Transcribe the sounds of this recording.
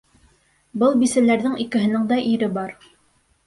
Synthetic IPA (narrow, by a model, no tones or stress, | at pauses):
bɤlˠbisælæɾðɘŋikɘ̆ɦɘ̆nɘŋd̪ɑʔiɾɘbɑɾ